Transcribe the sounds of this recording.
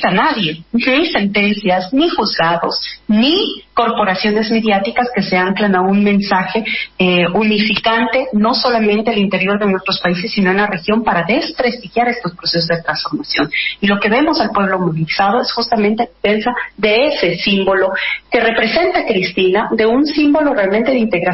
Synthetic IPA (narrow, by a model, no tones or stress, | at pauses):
anaðje̞nise̞nt̪e̞nsjaznixuzɣaðo̞sniko̞ɾpo̞ɾasjo̞ne̞zme̞ðjat̪ikaske̞se̞amklanaunmẽ̞nsaxe̞ | unifikant̪e̞no̞so̞lamẽ̞nt̪e̞alint̪e̞ɾjo̞ɾðe̞nwest̪ɾo̞spaise̞sːino̞ennare̞xjo̞mpaɾaðe̞spɾe̞st̪ixjaɾe̞st̪o̞spɾose̞s̬o̞zðe̞t̪ɾansfo̞ɾmasjo̞̰nilo̞ke̞βe̞mo̞salpwe̞β̞lo̞moβilisað̞o̞e̞sxust̪amẽnt̪eðefe̞nsaðe̞ese̞simbo̞lo̞ke̞re̞pɾe̞se̞nt̪akɾist̪inaðe̞unsimbo̞lo̞realment̪e̞ðint̪e̞ɣɾa